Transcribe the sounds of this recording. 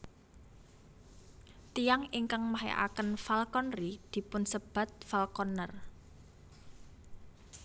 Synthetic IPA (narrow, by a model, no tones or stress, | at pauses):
t̪ijaŋiŋkaŋmaɦḛʔa̰kənfalkɔnrid̪̥i̤pʊnsəb̥a̤t̪̚falkɔnər